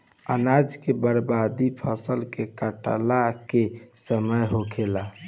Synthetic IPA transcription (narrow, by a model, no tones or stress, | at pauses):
ənad͡ʒkebəɾbad̪ipʰəsəlkekəʈə̰lakesəməjɦokʰela